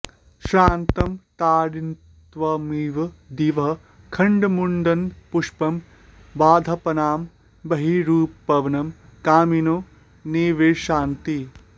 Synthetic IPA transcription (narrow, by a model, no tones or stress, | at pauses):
ʃɾaːnt̪ɐmt̪aːɽin | t̪ʋɐmiʋɐd̪iʋɐ | kʰɐɳɖmuɳɖɐnpuʂpɐm | ʋaːd̪ʱɐpɐnaːm | bɐɦiɾuːpːɐʋɐnɐmkaːminoː | neːʋeːʃaːnt̪i